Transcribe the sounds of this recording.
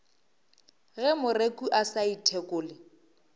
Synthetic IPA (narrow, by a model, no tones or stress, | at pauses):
ɣɛmʊrekuʔasaitʰekʼʊːlɪ